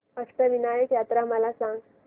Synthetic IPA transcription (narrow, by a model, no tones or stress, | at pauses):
əst̪əʋinajəkjat̪ɾaməlasãŋɡ